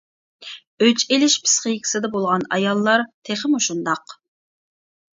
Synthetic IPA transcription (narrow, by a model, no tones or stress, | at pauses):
øt͡ʃelɪʃpʰɪ̥sqəjikʲʰi̥sɪd̪ɛbolˠʁɑnɑ̰jɑlˠːɑɾt̪ʰeχəmuʃund̪ɑq